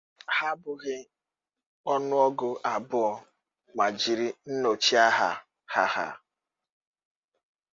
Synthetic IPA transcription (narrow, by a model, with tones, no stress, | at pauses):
ha˦bʊ˨ɣɪ˦ | ɔ˦nʊ˦ɔ˦ɡʊ˨ʔa˨bʊ˦ɔ˦˨ | ma˨d͡ʒi˨ɾi˦n̩˦no˨t͡ʃi˦a˦ɦa˨ | ha˨ha̰˨